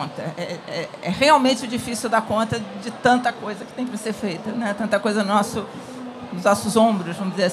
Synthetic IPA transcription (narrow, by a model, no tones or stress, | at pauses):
t̪ɐɛɛɛʁeawmẽnt͡ʃɪʊd͡ʒifisiɪwd̪akõnt̪ɐd͡ʒɪt̪ɐ̃nt̪ɐkojzɐkɪt̪ẽj̃kɪvseɾfejt̪ɐnɛt̪ɐ̃nt̪ɐkojzɐnʊnɔsʊ | nʊznɔsʊzõbɾʊzvɐ̃mʊzd͡ʒɪzeɾɐs